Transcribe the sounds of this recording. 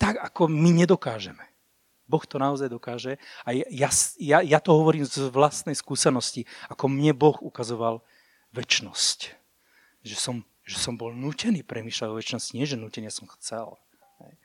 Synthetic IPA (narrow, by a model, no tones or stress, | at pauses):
t̪aɡakɔmiɲɛd̪ɔkaːʒɛmɛ | bɔxt̪ɔnaɔzajd̪ɔkaːʒɛajjasjajat̪ɔɦɔʋɔɾiːmzʋlast̪nɛjskuːsɛnɔsciakɔmɲɛbɔxukazɔʋal | ʋɛt͡ʃnɔsc | ʒɛsɔm | ʒɛsɔmbɔlnuːcɛniːpɾɛmiːʃlaɟɔʋɛt͡ʃnɔsciɲɪɛʒɛnuːcɛnɪasɔmxt͡sɛ̰l | ɦɛ̰j